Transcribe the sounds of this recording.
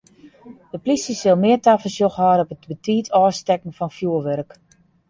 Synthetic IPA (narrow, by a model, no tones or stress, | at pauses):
dəplisəsɪlˠmɪətafəlsjoxhɔːɾɔpətbətʰiːtʰɔːstɛkn̩fɔnfjuəʋɛrk